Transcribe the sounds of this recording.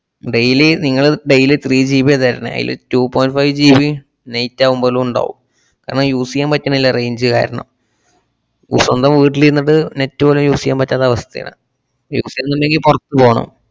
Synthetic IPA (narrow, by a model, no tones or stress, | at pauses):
ɖejileniŋːɐɭɖejilet̪riːd͡ʑiːbiɐðɐɾɐnːɨ̰ɐ̰jḭl̰tuːpoːjnɖfɐjʋd͡ʑiːbi | nejtːaːʋumbo̞ːlumuɳɖa̰ːʋum | ka̰ːɾɐɳɐmjuːsijaːmpɐtːɐɳɐilːɐrejɲd͡ʑɨka̰ːɾɐɳɐ̰m | ṵsɐnd̪ɐmʋiːʈːiliɾunːɨɽɨnetːupoːlumjuːsijaːmpɐtːaːðɐʋɐst̪ɐja̰ɳɨ̰ | juːsijanːɐmːeŋɡilpurɐt̪ːɨpo̞ːɳɐ̰m